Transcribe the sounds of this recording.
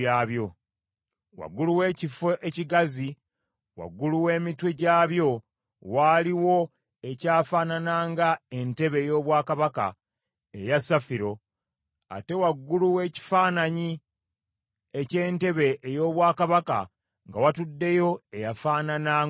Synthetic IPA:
aːβjo̞ | wa̰ɡːuluwe̞ːcifeeciɡazi | wa̰ɡːuluwe̞ːmitwe̞ɟaːβjo̞ | waːliwo̞ | e̞caːfaːnanaːŋɡae̞nte̞βe̞ːjo̞ːβwaːkaβaka̰ | ejasafiɾo̞ | a̰te̞waɡːuluwe̞ːci̥faːnaɲi | ece̞ːnte̞βe̞ʔːjo̞ːβwaːkaβaka̰ | ŋɡawatudːe̞jo̞e̞jafaːnana

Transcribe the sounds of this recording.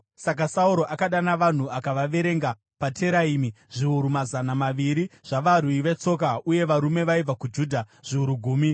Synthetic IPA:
sakasauɾo̞ʔakaɗanaʋan̤uakaʋaʋe̞ɾe̞ŋɡa | pateɾaiːmi | ʐiuɾumazanamaʋiɾiʐ̥aʋaɾwuiʋe̞t͡so̞kauje̞ʋaɾume̞ʋaib͡vakud͡ʒuːdʱaʐ̥iuɾuɡʱuːmi

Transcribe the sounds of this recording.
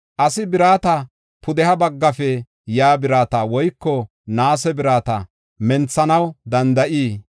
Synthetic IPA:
ʔɐsɪbɪɾaːt̪ɐ | pʰʊd̪ɛhɐbɐɡːɐfɛ | jaːbɪɾaːt̪awɔjkːɔ | naːsɛbɪɾaːt̪ɐ̰ | mɛnt͡sːɐnɐwd̪ɐnd̪ɐʔiː

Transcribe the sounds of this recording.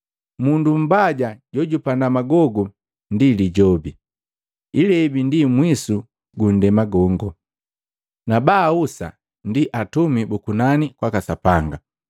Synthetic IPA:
mundum̩baɟaɟɔɟupandamaɡɔɡu | ndiliɟɔbi | ilɛibindimwisu | ɡun̩dɛmaɡɔŋɡɔ | nabausa̰ | ndiʔatumibukunanikwakasapaŋɡa

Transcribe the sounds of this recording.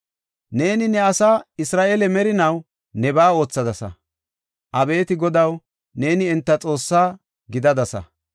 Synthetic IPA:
ne̞ːnɪnɛɐsaːɪsɾaːʔelɛmɛɾɪnɐw | nɛbaːo̞ːt͡sːɐd̪ɐsɐ̰ | ʔɐbe̞ːt̪ɪɡɔd̪ɐw | ne̞ːnɪɛnt̪ːɐt͡sʼo̞ːsːaː | ɡɪd̪ɐd̪ɐsɐ̰

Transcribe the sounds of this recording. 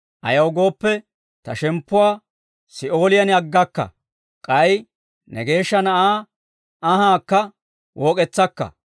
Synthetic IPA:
ʔɐ̰jɐwɡo̞ːpːɛ | t̪ɐʃɛmpːʊwaː | sɪo̞ːlɪjɐnɪɐɡːɐkːɐ̰ | kʼɐj | nɛɡe̞ːʃːɐnɐʔaː | ɐhaːkːɐ | wʔoːkʼɛt͡sːɐkːɐ̰

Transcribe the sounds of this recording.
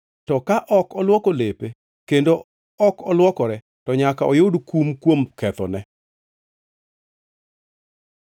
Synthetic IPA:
tɔkaʔɔkɔlwɔkolepe | kendo | ɔkɔlwɔkɔɾɛ | tɔɲakaɔjʊdkumkwomkɛt̪ɔ̰nɛ

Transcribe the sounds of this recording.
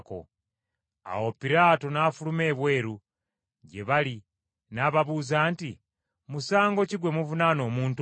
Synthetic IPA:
ko̰ | a̰wo̞piɾaːto̞naːfulume̞ːβwe̞ːɾu | ɟe̞βali | naːβaβuzaːnti | musaːŋɡo̞ciɡwe̞muvunaːno̞ːmuːnt

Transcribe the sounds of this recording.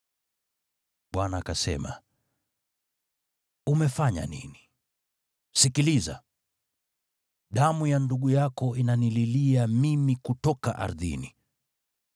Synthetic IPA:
ɓwanaːkasɛ̰ma̰ | umɛfaɲa̰nḭni | sikiliza̰ | ɗamujanduɠujakɔinanililiamimikutɔka̰ʔa̰ɾðḭni

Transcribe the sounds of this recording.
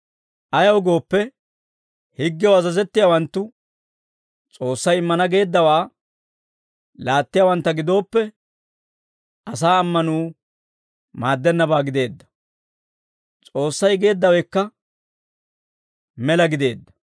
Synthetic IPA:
ʔɐjɐwɡo̞ːpːɛ | hɪɡːɪjwɐzɐzɛt̪ːɪjawɐnt̪ːʊ | t͡sʼo̞ːsːɐjɪmːɐnɐɡe̞ːd̪ːɐwaː | laːt̪ːɪjawɐnt̪ːɐɡɪd̪o̞ːpːɛ | ʔɐsaːɐmːɐnuː | maːd̪ːɛnːɐbaːɡɪd̪e̞ːd̪ːɐ̥ | t͡sʼo̞ːsːɐjɡe̞ːd̪ːɐwɛkːɐ | mɛlɐɡɪd̪e̞ːd̪ːɐ̥

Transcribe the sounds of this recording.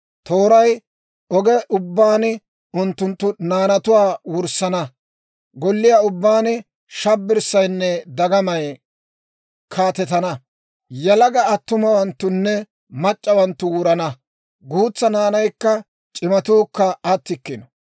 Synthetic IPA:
t̪oːɾɐj | ɔɡɛʔʊbːaːnɪ | ʊnt̪ːʊnt̪ːʊnaːnɐt̪ʊwaːwʊɾsɐnɐ | ɡɔlːɪjaːʊbːaːnɪ | ʃɐbːɪɾsːɐjnːɛd̪ɐɡɐmɐj | kʰaːt̪ɛt̪ɐnɐ | jɐlɐɡɐːt̪ːʊmɐwɐnt̪ːʊnːɛ | mɐt͡ʃʼːɐwɐnt̪ːʊwuːɾɐnɐ | ɡuːt͡sːɐnaːnɐjkːɐ | t͡ʃʼɪmɐt̪uːkːɐɐt̪ːɪkːɪnɔ̥

